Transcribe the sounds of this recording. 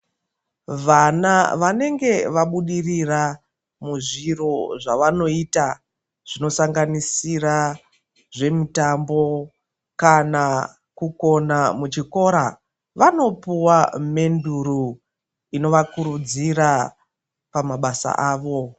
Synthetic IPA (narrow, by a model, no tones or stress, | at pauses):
ʋanaʋane̞ŋɡe̞ʋaɓuɗirira | muʐiro̞ʐaʋano̞ita | ʐ̥ino̞saŋɡanisira | ʐe̞mutambo̞ | kana | kuko̞namut͡ʃiko̞ɾa | ʋano̞puwame̞nduɾu | ino̞ʋakuɾud͡ziɾa | pamaɓasa̰ʔaːʋo̞